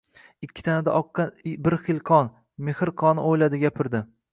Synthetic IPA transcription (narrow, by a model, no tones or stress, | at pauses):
ɪkʲʰːɪ̥t̪ʰanad̪a̰ʔɒqːɑbɪɾχɪlˠqʰɒn | mehɾqʰɒnɪojlad̪ɪɡʲapʰɪɾd̪ɪ